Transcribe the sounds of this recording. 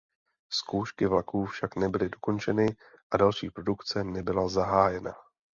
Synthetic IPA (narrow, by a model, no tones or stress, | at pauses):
skowʃkɪvlakuːfʃaknɛbɪlɪdo̞ko̞nt͡ʃɛnɪ | ʔadalʃiːpɾo̞dukt͡sɛnɛbɪlazaɦaːjɛna̰